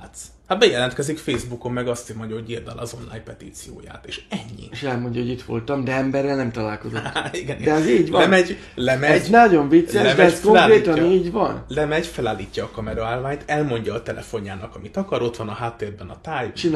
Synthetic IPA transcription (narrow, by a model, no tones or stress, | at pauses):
t̪s | habɛjɛlɛnt̪kɛzikfeːzbuko̞mːɛɡɒst̪imoɲɟɒɦoɟird̪ɛlɒ̰zo̞nla̰ːjɲpɛt̪iːt̪sijo̰ːja̰ːt̪eːʃɛɲːḭʃɛlmo̞ɲɟɒɦo̞ɟit̪ʋo̞̰lt̪ɒmd̪ɛɛmbɛrːɛlnɛmt̪ɒlaːlko̞zot̪ːiɡɛd̪ɛɛziːɟʋɒɛnmɛɟ | lɛmɛznɒɟo̞ɱvit̪ssːɛʃd̪ɛɛsko̞kːreːt̪ɒiːɟvɒ̰nlɛmɛɟfɛlaːlːiːcːɒːkɒmɛɾɒaːlvaːɲt̪ɛlmo̞ɲɟɒːt̪ɛlʔɛ̰fo̞ɲːaːnɒkɒmit̪ɒkɒɾo̞t̪ʋɒnɒɦaːt̪ːeːrbɛnɒt̪aːjt͡ʃin